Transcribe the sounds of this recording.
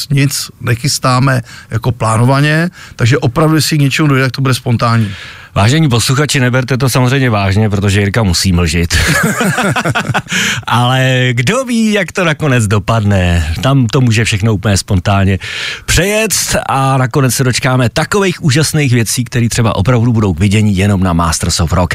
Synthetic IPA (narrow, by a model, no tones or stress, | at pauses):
ɲɪt͡snɛxɪst̪aːmɛjakoplaːnovaɲɛt̪aɡʒɛʔopɾavdusɪɲɛt͡ʃɛmudojdɛt̪akt̪obudɛspont̪aːɲiː | vaːʒɛɲiːp̬o̞sluxat͡ʃɪnɛbɛɾt̪ɛt̪o̞samozrɛjmɲɛvaːʒɲɛp̬ɾo̞t̪oʒɛɪɾkamusiːml̩ʒɪt̪ | ʔalɛɡdo̞viːjakt̪o̞nako̞nɛd͡zdo̞padnɛt̪amt̪o̞muːʒɛfʃɛxno̞upl̩ɲɛspont̪aːlɲɛpr̝̥ɛjɛt͡st̪ʔanako̞nɛt͡ssɛdo̞t͡ʃkaːmɛt̪akovɛjxʔuːʒasnejxvjɛt͡siːkt̪ɛɾiːt̪r̝̥ɛba̰ʔo̞pɾavdubudo̞wkvɪɟɛɲiːjɛno̞mnama̰ːst̪ɾ̩sofɾok